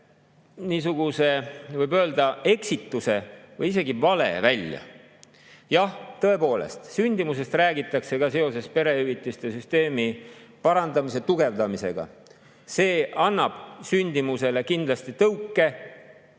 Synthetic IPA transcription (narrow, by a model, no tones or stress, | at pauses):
niːs̬uɡ̥use̞vɤjbø̞ːld̪ɑe̞ksit̪ːˑuse̞vɤjise̞ɡivɑle̞̰vælʲjɑ̰ | jɑht̪ːɤe̞po̞ːle̞̰st̪synʲd̪̥imuse̞st̪ræːɡit̪ːˑɑkse̞kɑse̞o̞se̞spe̞ɾe̞yvit̪ːˑist̪e̞syst̪e̞ːmipɑɾɑnd̪̥ɑmise̞t̪uɡe̞vd̪ɑmise̞̰ɡ̥ɑ̰ | se̞ːɑnːɑb̥synʲd̪imuse̞le̞kind̪̥lɑst̪it̪ɤwkːˑe̞